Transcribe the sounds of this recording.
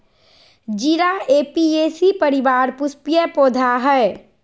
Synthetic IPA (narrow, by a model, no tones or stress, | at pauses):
d͡ʒiɾaeːpieːsipəɾɪʋaːɾpʊspijəpoːd̪ʱaɦɛe